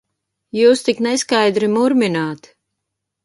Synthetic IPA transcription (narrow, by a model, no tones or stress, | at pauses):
juːst̪ikneskajd̪ɾimuɾminaːt̪